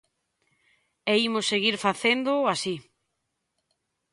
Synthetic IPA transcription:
ɛimʊsːeɣiɾfaθend̪ʊasi

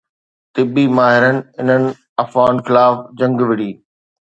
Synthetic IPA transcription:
t̪ɪbimaːɦɪɾənɪ̆ɪnənɪ̆ | ɐfaːnxɪlaːfd͡ʑɐ̃ŋɡʋɪɽiː

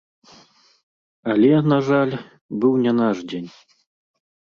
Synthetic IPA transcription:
alʲɛnaʐalʲ | bɨwnʲɛnaʐd͡zʲenʲ

